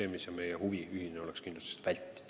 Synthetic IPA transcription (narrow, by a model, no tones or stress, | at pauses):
eːmisjɑmejehuviyhineo̞lekskind̪lust̪i̥se̥t̪vælʲt̪ːi̥d̥̪